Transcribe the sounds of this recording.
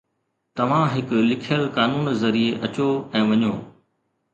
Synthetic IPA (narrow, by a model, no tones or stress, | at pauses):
t̪ɐʋ̤ãɦɪklɪkʰjəlkaːnuːnzɐɾieʔɐt͡ɕoɛ̃ːʋɐɲoː